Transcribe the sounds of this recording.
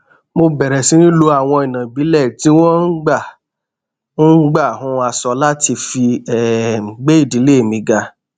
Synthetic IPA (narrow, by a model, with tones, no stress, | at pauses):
mo˧bɛ˨ɾɛ˨sĩ˧˦ɾĩ˦lo˧a˦˨w̃ɔ̃˧i˨nã˨bi˨˦lɛ˦˨ti˨˦w̃ɔ̃˦n̩˦ɡ͡ba˦˨˦ | ɡ͡ba˦˨hũ˧˦˧a˧sɔ˧la˦ti˧fi˧ɛ˨ɡ͡be˦i˦˨di˨˦le˦e˨mĩ˧ɡa˧